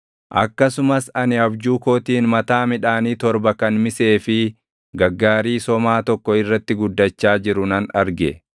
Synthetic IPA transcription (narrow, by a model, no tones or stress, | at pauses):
ʔɐ̰kːɐsʊmɐsɐnɪɐbd͡ʒuːkoːt̪iːnmɐt̪aːmɪᶑaːniːt̪ɔɾbɐkɐnmɪse̞ːfɪ | ɡɐɡːaːɾiːsɔmaːt̪ɔkːɔɪrːɐt̪ːɪɡʊd̪ːɐt͡ʃːaːd͡ʒɪɾʊnɐnɐɾɡɛ